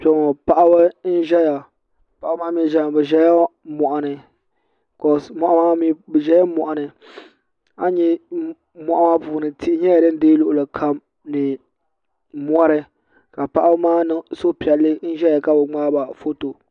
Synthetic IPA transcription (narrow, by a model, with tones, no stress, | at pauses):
pɛ˨˦ŋɔ˨pa˦ʔa˦bɨ˦n̩˦ʒɛ˦ja˨ | pa˨a˦bmaː˦mi˦˨ʒɛ˦˨bɨ˨ʒɛ˦ja˦mɔ˨ʔa˨nɨ˨ | kɔ˨mɔ˨ʔa˦maː˦mi˦bɨ˨ʒɛ˦ja˦mɔ˨ʔa˨nɨ˨ | a˦ɲɛ˦ | mɔ˨ʔa˦maː˦puː˨nɨ˨tʰi˦ɲɛ˦ja˨dɨ˦n˦deː˦lʊ˨ʔʊ˨lɨ˨kʰa˦m | nɨ˨ | m˦ɔ˦ɾɨ˦ | ka˨pa˦ʔa˦bmaː˦nɨ˦ŋsʊ˦pi˨ɛ˨lːɨ˦n̩˦ʒɛ˦ja˨ka˦bʊ˨ŋ͡maː˦ba˨fo˦to˨